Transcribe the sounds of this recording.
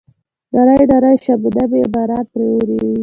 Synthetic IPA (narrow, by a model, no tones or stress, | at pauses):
d̪ɑɾajd̪ɑɾajʃabd̪abebaɾapɾeɾi